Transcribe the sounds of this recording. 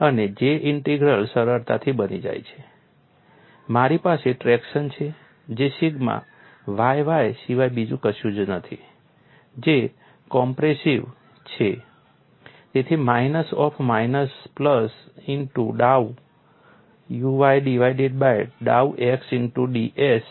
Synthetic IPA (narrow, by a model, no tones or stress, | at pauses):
əned͡ʒeʔɪɳʈiɡɾəlsəɾəɾt̪a̰t̪ʰibənḭd͡ʒa̰jt͡ʃʰe̥ | maɾipaseʈɾɛkʃənt͡ʃʰe | d͡ʒesiɡmã̰ | ʋajʋajsiʋajbid͡ʒũkəʃjũd͡ʒnət̪ʰi | d͡ʒe | kɔmpɾesiʋ | t͡ʃʰe | t̪et̪ʰimainəsɔpʰmajnəspləsinʈuɖau | juʋajɖiʋajɖeɖ̚bajɖa̰uʔeksɪnʈuɖiʔes